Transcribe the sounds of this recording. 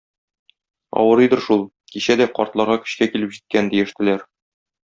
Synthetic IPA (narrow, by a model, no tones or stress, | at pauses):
ɒ̰wɤɾɤjd̪ɤɾʃulˠ | kiɕæd̪æqɒ̰ɾt̪lˠɑɾʁɑkɵ̥̆ɕkækilɘpʑit̪̚kænd̪ijɘ̆ʃt̪ɘ̆læɾ